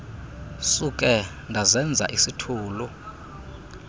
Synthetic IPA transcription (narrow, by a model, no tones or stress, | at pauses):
sukʼɛ | ndʱazɛnd͡zʱa̰ʔisitʰuːlu